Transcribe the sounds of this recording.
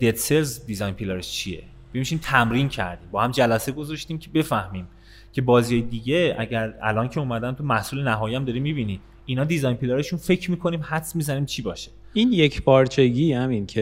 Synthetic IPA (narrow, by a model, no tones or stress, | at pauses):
d̪̥et̪selzd̪izɒjnpʰileɾeʃt͡ʃʰije̞̰ | bemʃiːmt̪ʰæmɾincʰæ̰ɾd̪iːmbɒːhæmd͡ʒælæse̞ɡo̞zɒʃt̪iːmcʰebe̞fæhmiːm | cʰe̞bɒːzijɒːjed̪iːɟe̞ʔæ̰ɟæɾæ̰lɒːncʰe̞umæd̪ænt̪ʰumæhsuːle̞næɦɒːjiæmd̪ɒːɾiːmibiniː | inɒːd̪izɒjnpʰileɾeʃunfe̞cʰɾmiːkʰo̞niːmhæt̪smizæniːmt͡ʃʰiːbɒːʃe | injecʰpɒːɾt͡ʃʰeɡihæmincʰe